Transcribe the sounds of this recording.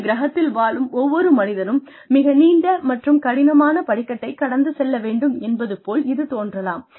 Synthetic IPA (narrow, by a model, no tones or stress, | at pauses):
ɡɪɾɐɦɐt̪ːɪlʋaːlɯmɔʋːɔɾɯmɐnɪðɐɾɯmː | ɪɣɐniːɳɖɐmɐʈrɯmkɐɽɪnɐmaːnɐpɐɽɪkːɐʈːɐɪkɐɽɐnd̪ɯsɛlːɐʋeːɳɖɯmɛnbɐðɯpːoːlɪðɯt̪oːndrɐlaːm